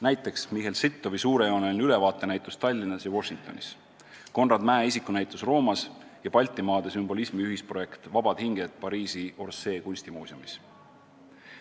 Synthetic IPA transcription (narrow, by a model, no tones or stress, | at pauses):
næjt̪ːˑe̞ksmiɦe̞lsit̪ːˑo̞visuːɾe̞joːnelnyle̞vɑːt̪ˑːe̞næjt̪ˑust̪ɑlʲːinɑsjɑvo̞ʃːiŋk̚t̪o̞̰nḭs | ko̞nrɑd̪mæːisikːˑunæjt̪ːˑusro̞ːmɑsjɑpɑlʲt̪ːˑimɑːd̪̥e̞symbo̞lismiyɦispro̞je̞kt̪vɑb̥ɑd̪̥hiŋɡ̥e̞d̪̥pɑɾiːsio̞rse̞ːkunʲsʲt̪imuːsiumis